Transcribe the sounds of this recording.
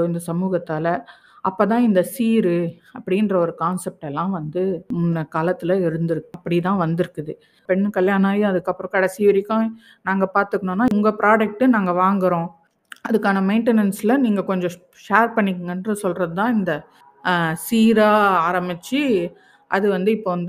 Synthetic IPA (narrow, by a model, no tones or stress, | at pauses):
ɪnd̪ɐsɐmuːɣɐt̪ːaːlɐ | ʔɐpːoːt̪ãːɪnd̪ɐsiːɾɯɐpːɐɽɪnrɐɔɾɯkaːnsɛp̚ʈɛlːãːʋɐnd̪ɯʊnːɐkaːlɐt̪ːɯlɐɪɾɯnd̪ɯɾɯkːɐpːɐɽit̪ãːʋɐnd̪ɯɾɯkːɯðɯ | pɛɳːkɐljaːnaːjʊ̃ɐðɯkːɐpːɾɔ̃kɐɽɛsɪʋɐɾɪkːʊ̃ | naːŋɡɐpaːɾt̪ɯkːɐɳõːnːaːʊŋɡɐpɪɾaːɖɐk̚ʈɯnaːŋɡɐʋaːŋɡɐɾõː | ɐðɯkːaːnɐmɐɪɳʈɛnɐnslɐniːŋɡɐkɔɲd͡ʒɔ̃ | ʃeːɾpɐɳːɪkːɯŋɡɐndrɯsɔlrɐðɯt̪ãːɪnd̪ɐ | siːɾaːaːɾɐmɪt͡ʃːɯ | ʔɐ̰ðɯʋɐnd̪ɯɪpːoːʋɐnd̪ɯ